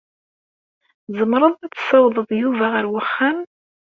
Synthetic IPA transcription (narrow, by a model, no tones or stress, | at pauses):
zˤəmɾˤəðˤæt͡sːsɑwðˤəðˤjuvæʁəɾwəχːan